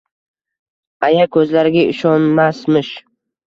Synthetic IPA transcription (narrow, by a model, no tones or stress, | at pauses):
ajakʰɵzlaɾɪɡʲaɪʃɒnmasmɪʃ